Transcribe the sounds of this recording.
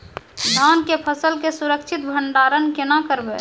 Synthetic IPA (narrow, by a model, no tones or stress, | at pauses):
d̪ʱaːnkepʰəsəlkesuɾəkt͡ʃʰɪt̪̚bʱəɳɖaːɾənkenakəɾbḛ